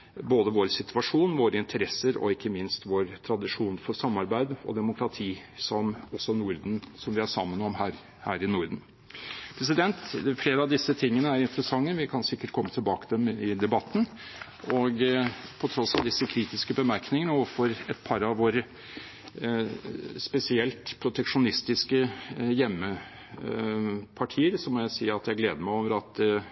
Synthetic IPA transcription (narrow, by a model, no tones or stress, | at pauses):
boːd̪əʋoːɾsɪt̪ʰʉɑʂuːnʋoːɾəɪnt̪ʰəɾɛsəɾɔ̰ɪkːəmɪnst̪ʋoːɾt̪ʰɾɑd̪ɪʂuːnfɔsɑmːɑɾbæɪd̪ɔ̰d̪ɛmʊkʰɾɑt̪ʰiːsɔmɔsːɔnuːɾd̪n̩sɔmʋɪæɾʂɑmːənɔmɦæːɾ | hæːɾɪnʊːɾd̪n̩ | pʰɾɛs̬ɪd̪ɛnt̪fleːɾəɑʋd̪ɪsːət̪ʰɪŋːənəæɾɪnt̪əɾəsɑŋːəʋɪkʰɑnsɪkːəʈ̚kʰɔmːət̪ʰɪlbɑːkəd̪ɛmɪd̪ɛbɑt̪ːn̩ | ɔɡpʰɔt̪ʰɾɔsːɑʋd̪ɪsːəkʰɾiːt̪ɪskəbəmæɾknɪŋənəɔəfɔɾɛt̪̚pʰɑɾɑʋʋoːɾə | spɛsɪɛlt̪pʰɾʊt̪ʰɛkʂʊnɪst̪ɪskəjɛmːə | pʰɑʈʰiːəɾsɔmɔjæɪsiːɑt̪jæɡleːd̪əmæɪoːʋəɾɑt̪